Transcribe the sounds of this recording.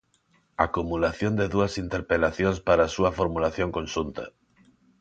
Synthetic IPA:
akumulaθjond̪eðuasint̪eɾpelaθjõnspaɾasuafoɾmulaθjoŋkõnʃunt̪a̰

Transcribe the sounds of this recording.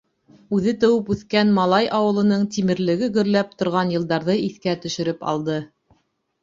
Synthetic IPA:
ʉðɘt̪ɘ̆wɘpʉθkænmɑlˠɑjʔɑwɤ̆lˠɤ̆nɤɴt̪imɘ̆ɾlɘ̆ɡɘɡɵ̆ɾlæp̚t̪ŏɾʁɑnjɤ̆lˠd̪ɑɾðɤiθkæt̪ɵ̆ʃɵ̆ɾɘpɑ̰lˠd̪ɤ

